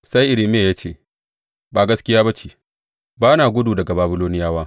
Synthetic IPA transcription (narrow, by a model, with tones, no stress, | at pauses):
sa˦jʔɪ˨ɾɪ˨mɪ˦ja˨jaː˦t͡ʃeː˦˨ | baː˨ɡɐ˦skʲɪ˦jaː˦ba˦t͡ʃiː˨ | baː˦naː˨ɡʷʊ˦duː˨dɐ˨ɡa˨baː˨˦bɪ˦loː˦nɪ˦jaː˦waː˦